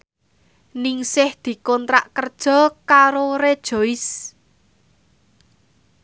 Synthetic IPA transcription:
nɪŋsɪhd̪̥i̤kɔnt̪ɾa̰ʔkərd̥ʒ̥ɔ̤kaɾoɾed̥ʒ̥o̤ɪs

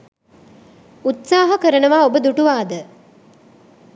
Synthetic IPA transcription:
ut̪saːɦɐkəɾənəʋaːobəd̪uʈuʋaːd̪ə

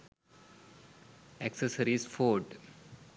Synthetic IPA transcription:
ɛksəsəɾisfoːɖ

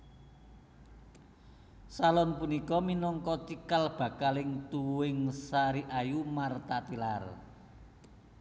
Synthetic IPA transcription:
salɔnpunikɔminɔŋkɔt͡ʃ̪ikalb̥a̤kalɪŋt̪uwɪŋsaɾiʔajumart̪at̪ilar

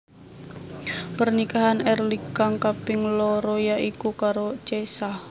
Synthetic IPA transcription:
pərnikaɦanɛrlikaŋkapɪŋlɔɾojaʔikukaɾot͡ʃesah

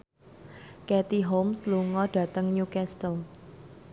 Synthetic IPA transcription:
kɛt̪iɦomsluŋɔɖ̥ä̤t̪əŋjukɛst̪əl

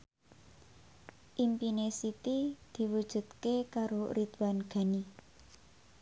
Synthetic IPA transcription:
ʔimpinesit̪id̪̥i̤wud̥ʒ̥ṳd̪kekaɾorit̪wanɡ̥a̤ni

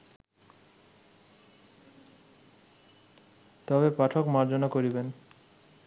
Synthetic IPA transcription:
t̪ɔbepaʈʰokmaɾd͡ʑonakoɾiben

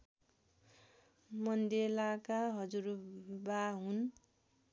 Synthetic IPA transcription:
mʌnd̪elakaɦʌd͡zurbaɦun

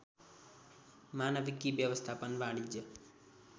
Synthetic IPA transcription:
maːnɐʋikːiʋjɐʋɐst̪ʰaːpɐnʋaːɽid͡ʒɐ

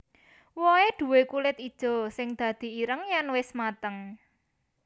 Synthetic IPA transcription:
wɔed̪̥ṳwekulɪt̪id̥ʒ̥ɔ̤sɪŋd̪̥ä̤d̪̥i̤iɾəŋjanwɪsmat̪əŋ

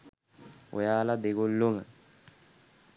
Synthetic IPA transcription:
o̰jaːlad̪eɡolːoŋa

